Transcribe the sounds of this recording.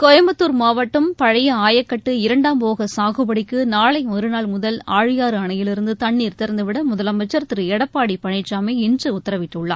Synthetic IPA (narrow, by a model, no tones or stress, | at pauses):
kɔjɐmbɐtt̪ːuːɾmaːʋɐʈːɯmpɐɻɐjɐaːjɐkːɐʈːɯɪɾɐɳɖaːmpoːɣɐsaːɣɯbɐɽɪkːɯnaːɭɐɪɔɾɯnaːlmʊðɐlaːɻɯjaːɾɯɐɳɐjɪlɪɾɯnd̪ɯt̪ɐɳːiːɾt̪ɪɾɐnd̪ɯʋɪɽɐmʊðɐlɐmɐt͡ʃːɐɾt̪ːɯɾɯɛɽɐpːaːɽipɐɳɪt͡ʃːaːmeːɪnd͡ʒɯʊt̪ːɐɾɐʋɪʈːɯɭːa̰ːɾ